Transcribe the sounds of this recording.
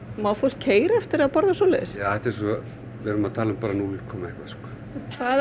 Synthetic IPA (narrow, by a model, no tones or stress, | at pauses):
mawfowl̥kʰeːjɾɛft̪ɪɾaðpɔɾðasoːleɪsjaːɛht̪ɛɾs̬ɔ | ɛɾʏmaðt̪ʰaːlʏmpaːɾanuɪkʰɔːmaɛhkvaskɔ | kʰva